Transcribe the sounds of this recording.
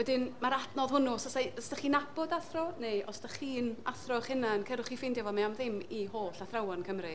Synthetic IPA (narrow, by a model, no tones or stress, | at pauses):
wɛdɪnmaɾadnɔðhʊnʊsɔsaəsdaχiːnabɔdaθrɔneʔɔ̰staχiːnaθrɔχɪnaənkʰɛɾʊχifɪndjɔvɔmaamðɪmihoːɬaθrawankʰəmrɨ